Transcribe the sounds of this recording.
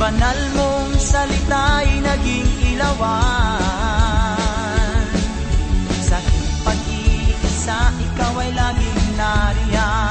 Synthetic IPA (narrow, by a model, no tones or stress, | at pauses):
bɐnalmoŋsɐlɪt̪ajnɐɡɪŋɪlɐwa | sakɪt̪̚pɐɡ̚iʔɪsaʔɪkawɐjlaːɡɪŋnaɾɪa